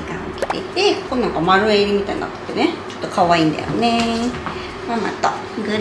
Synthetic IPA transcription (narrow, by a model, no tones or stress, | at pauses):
kaŋoki̥t̪eit̪ekonãŋkamaɾɯeɾimit̪ana̰t̪ːḁt̪ːenet͡ɕo̥t̪okʰawaĩnd̪ḛjo̰ne | mama̰t̪ːa | ɡɯ